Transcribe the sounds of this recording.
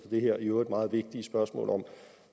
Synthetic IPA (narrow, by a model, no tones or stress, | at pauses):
fɒd̥e̝ɦeɐ̰joed̥mɑ̈ːð̞̩ˠʋe̝ɡ̥̚d̥isb̥ɶɐsmɔ̰̽ːlɒ̽m